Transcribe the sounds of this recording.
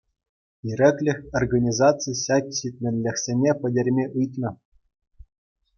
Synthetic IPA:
iɾʲɘ̆kʲlʲɘ̆xʲorɡɑnʲizɑt͡sɨjɕɑkʲɕit̪ʲmʲɘ̆nʲlʲɘ̆xʲsʲenʲepʲɘ̆dʲerʲmʲeʔɯjt̪nɤ̆

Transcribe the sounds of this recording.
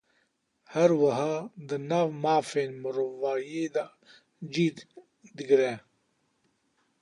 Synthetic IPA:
haɾwaɦad̪ənawmaːfenmʊɾvaːjed̪a | d͡ʒid̪ | d̪iɡɾe

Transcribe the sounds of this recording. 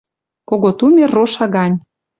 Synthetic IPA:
koɣot̪umʲeroʃɑɣɑnʲ

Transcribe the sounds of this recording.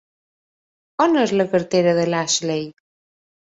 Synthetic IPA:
ɔnɛzləkəɾt̪eɾəðəlaʃlej

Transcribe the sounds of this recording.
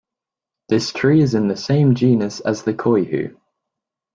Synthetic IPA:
ðɪstʰɹ̥iːɪzɪ̃nðəsẽɪ̃md͡ʒiːnəsə̰zðəkʰɔɪhʉ̰ː

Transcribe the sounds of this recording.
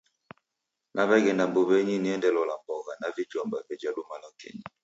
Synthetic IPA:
nʔaβɛɡɛndamboβɛɲiniɛndɛlɔlambɔɣanavid͡ʒambavɛd͡ʒadumalakʰɛ̰ɲi

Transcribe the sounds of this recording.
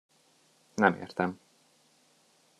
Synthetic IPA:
nɛmḛːrt̪ɛm

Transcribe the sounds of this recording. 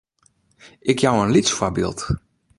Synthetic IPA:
ʔɪkjawənlitsfobɪ̰ːlˠt

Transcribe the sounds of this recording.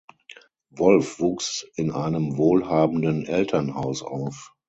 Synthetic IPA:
vɔlfv̥uːksʔɪnʔaɪnəmvoːlhaːbn̩dənʔɛltʰɐnhaʊsa̰ʊf

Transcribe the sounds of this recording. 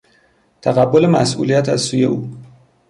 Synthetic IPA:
t̪ʰæɣæbːolemæ̰sʔṵlijæt̪ʰæzsuːje̞ʔuː

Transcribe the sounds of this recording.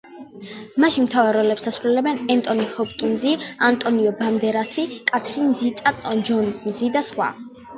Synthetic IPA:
maʃinmt̪ʰavɛɾɔlɛpsasɾulɛlɛbɛnɛnt̪ʼɔnihɔp̚ʰʼkʼinziant̪ʼɔniɔband̪ɛɾasikʼat̪ʰɾinzit̪ʼat̪ʼɔd͡ʒɔnzid̪asχwa̰

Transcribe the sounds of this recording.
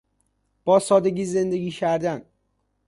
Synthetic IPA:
b̥ɒːsɒːd̪eɡiːze̞nd̪eɡiːcʰæɾd̪æn

